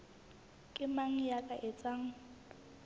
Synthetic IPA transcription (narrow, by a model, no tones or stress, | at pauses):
kʼɪmaŋ̩jakʼaʔɪt͡sʼaŋ̩